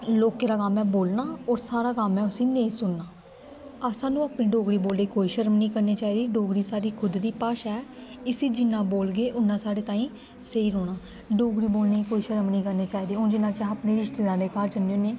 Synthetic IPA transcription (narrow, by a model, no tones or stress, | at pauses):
loːkeːɾaːkamɛ̃ːboːlnaːɔːɾsaːɾaːkamːɛ̃ːʊsĩːneĩːsʊnːaː | asãːnũːaːpnẽːɖoːɡɽiːboːld̪eːkoːiːʃəɾəmnĩːkəɾneːt͡ʃaːiːd̪iːɖoːɡɽiːsaːɾiːkʰʊd̪d̪iːpaːʃaːɛː | ɪsĩːd͡ʒɪnːãːboːlɡeːʔʊnːãːsaːɽeːt̪ãːĩː | seiːɾoːɽ̃aː | ɖoːɡɽiːboːlneːkoːiːʃəɾəmnĩːkəɾneːt͡ʃaːiːd̪eːõːd͡ʒɪnːãːkɪaːəpneːɾɪʃt̪eːd̪ãːd̪eːkaːɾd͡ʒənːeoːneː